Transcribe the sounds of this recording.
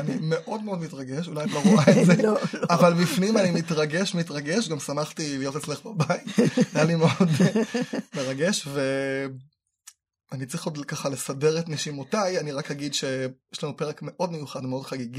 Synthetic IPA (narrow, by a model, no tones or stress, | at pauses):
anime̞ʔo̞dmeo̞dmitʁaɡeʃulajbloʁuʁaezeavalbifnimanimitʁaɡe̞ʃmitʁaɡeʃɡamsamaχtilijotet͡sleχbabait̪ajalimeod | meʁaɡe̞ʃve | anit͡sʁiχodkaχale̞sadeʁetniʃimotajaniʁakhaɡidʃejeʃlanupeʁekme̞ʔodmejuχadmeod̥̪χaɡiɡi